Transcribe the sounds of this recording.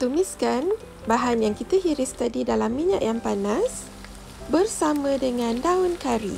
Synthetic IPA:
t̪umiskan | baɦanjaŋkit̪əɦiɾɪst̪adidalamːiɲa̰ʔjaŋpanas | bərsamə̃dəŋãndaʊnkaɾḭ

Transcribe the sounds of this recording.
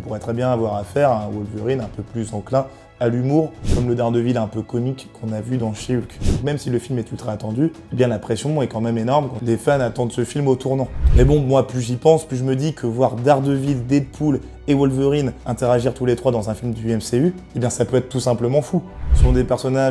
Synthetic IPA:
ɔ̃puʁɛt̪χɛbjɛ̃navwaʁafɛʁaɛ̃wɔlvøʁinɛ̃pøplyzɑ̃klɛ̃ | alymuʁkɔmləd̪aʁd̪əvilɛ̃pøkɔmikːɔ̃navyd̪ɑ̃ʃeylkd̪ɔ̃kmɛmsiləfilmɛt̪ut̪χɛat̪ɑ̃d̪yebjɛ̃lapχesjɔ̃ɛkɑ̃mɛmenɔʁmkɑ̃lefanat̪ɑ̃d̪səfilmot̪uʁnɑ̃mɛbɔ̃mwaplyʒipɑ̃splyʒəməd̪ikʰəvwaʁd̪aʁd̪əvild̪ed̪pʰul | ewɔlvøʁinɛ̃t̪eʁaʒiʁt̪ulet̪χwad̪ɑ̃zɛ̃filmd̪yɛmsey | ebjɛ̃sapøɛt̪χt̪ːusɛ̃pləmɑ̃fuəsɔ̃d̪epɛʁsɔnaʒ

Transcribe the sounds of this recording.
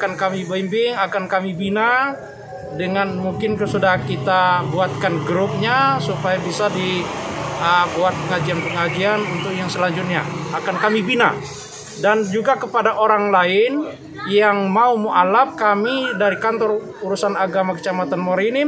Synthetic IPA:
kankamibambɪŋakankamibina | dəŋanmuŋkɪnkəsudaɦakit̪abuat̪̚kanɡɾʊp̚ɲasupajabisadi | əbuat̪̚pəŋad͡ʒianpəŋad͡ʒianunt̪ʊk̚jaŋsəlaɲd͡ʒʊt̪̚ɲaːkankamibina̰ | dand͡ʒuɡakəpadaʔoɾaŋlaɪn | jaŋmaumuʔalap̚kamidaɾikant̪ɔr | uɾusanaɡamakə̥t͡ʃamat̪anmoɾini

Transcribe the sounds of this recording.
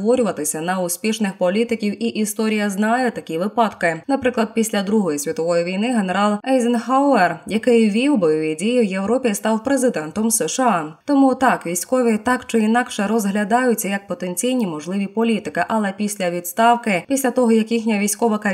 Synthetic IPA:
ʋɔɾʲʊʋɐt̪ɪsʲɐnɐʊsʲpʲiʃnɪxpɔlʲit̪ɪkʲiwʔiʔist̪ɔɾʲijɐznɑjɛt̪ɐkʲiʋɪpɑd̪kɪnɐpɾɪklˠɐd̪̚pʲisʲlʲɐd̪ɾuɦɔjisʲʋʲit̪ɔʋɔjiʋʲijnɪɦe̞neɾɑlˠɛjzɪnɦawɛrjɐkɪjʋʲiwbɔjɔʋʲidʲijiwjewɾɔpʲist̪ɑwpɾezɪd̪ɛnt̪ɔmsɛʃɑt̪ɔmut̪ɑkʋʲijsʲkɔʋʲit̪ɑkt͡ʃɪinɑkʂɛɾɔzɦlʲɐd̪ɑjʊt͡sʲːɐjɐk̚pɔt̪e̞nʲt͡sʲijnʲimɔʒlˠɪʋʲipɔlʲit̪ɪkɪʔɐlˠɛpʲisʲlʲɐʋʲid̪st̪ɑwkɪpʲisʲlʲɐt̪ɔɦɔjɐkjixnʲɐʋʲijsʲkɔʋɐkɐ

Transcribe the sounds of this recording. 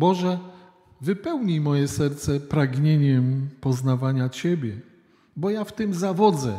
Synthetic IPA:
bɔʐɛ | vɘpɛwɲimɔjɛsɛɾt̪sɛpɾaɡɲeɲɛmpɔznavaɲat͡ɕebʲjɛ | bɔjaft̪ɘmzavɔd̪zɛ

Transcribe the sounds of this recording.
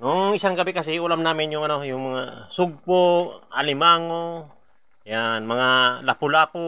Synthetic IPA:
nʊŋɪsaŋɡɐbɪkɐsɛʔʊlamnaːmɪnjʊŋʔɐno̞jʊŋmɐŋasʊɡ̚poʔalɪmaːŋo | janmɐŋalapʊlaːpo

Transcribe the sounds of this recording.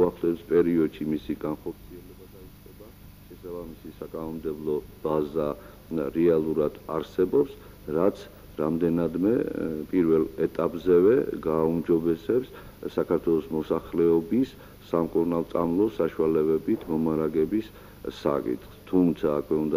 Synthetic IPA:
aχlɛspʼɛɾiɔd̪ʃimisiɡanχɔɾt̪sʰiɛlɛbad̪ait̪sʼqʼɛba | ʃɛsabamisisakʼanɔmd̪ɛblˠɔb̥aza | ɾɛalˠuɾad̪̥aɾsɛbɔps | ɾat̪sʰ | ɾamd̪ɛnad̪mɛpʼiɾvɛlɛt̪ʼapʼzɛvɛ̰ɡaumd͡ʒɔbɛsɛps | sakʰaɾt̪ʰwɛlˠɔsmɔsaχlɛɔbisː | amkʼuɾnalˠt̪sʼa̰mlˠɔsaʃualɛbɛbit̪ʰmɔmaɾaɡɛbisː | a̰kʼḭt̪ʰʼχst̪ʰumt̪sʰaːkʰwɛund̪a

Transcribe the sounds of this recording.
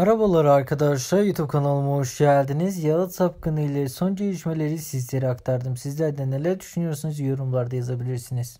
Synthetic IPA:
aɾabalˠaɾɯaɾkʰad̪aʃlˠajut̪ʰubp̚kʰanalˠɯmoʃɟælʲd̪inizjalˠɯt̪sap̚kʰɯnɯjlʲˠɛso̞nd͡ʒejʲiʃme̞lʲe̞ɾisizlʲe̞ɾiakt̪ʰaɾd̪ɯmsizlʲæɾd̪ɛnelʲæɾd̪yʃynyjo̞ɾsunuzjo̞ɾumlˠaɾd̪ajazabilʲiɾsiniz̥

